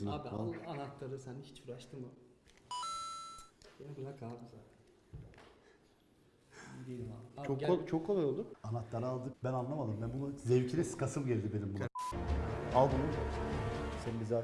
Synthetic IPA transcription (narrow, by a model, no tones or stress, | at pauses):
ɯnaːbiaanat̪lˠaɾɯsænhi̥t͡ʃfɯɾaʃt̪ʰɯmɯ | jeniblakad̪ɯzat̪ʰ | id̪ejilʲimat͡ʃʰokʰːot͡ʃʰokʰːolˠajo̞lˠd̪uanat̪lˠaɾɯalˠd̪ɯbænanlˠamad̪ɯmbænbunazɛvcʰinʲɛsɯ̥kasɯmɟeɾd̪ibenimbuna | alˠd̪ɯmu | senmbiza